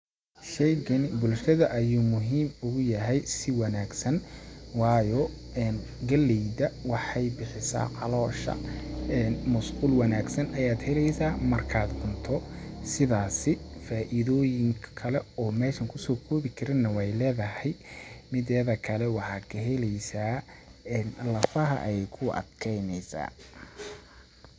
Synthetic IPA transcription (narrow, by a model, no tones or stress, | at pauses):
ʃɛjkʰɐnbʊlʃɐðɐʔɐjuːmʊɦiːmʊɣʊjɐɦɛjsɪwɑnaːɡsɐnwɑːjɔ | ɛːnɡɐlɛjdɐwɑħɑjbɪħɪsa̰ːqɑlɔːʃɐ̰ː | nmɐsquːlwɐnaːɡsɐnʔɐjaːd̪hɛlɛjsaːmɐrkʰaːd̪bʊnt̪ʰɔ | sɪðaːsɪfaːʔɪðɔːjɪŋkʰkʰɐlɛɔːmɛːʃɐŋkʰʊsɔːkʰɔːβɪkʰɐɾɪnːɐwɛjlɛːðɐɦɛjmɪðɛːðɐkʰɐlɛwɑħɑːd̪kʰɐɦɛlɛjsaːɛnlɐfɐɦɐ̰ʔjɛjkʰʊʔɐ̰d̪kʰɛjnɛjsa̰ː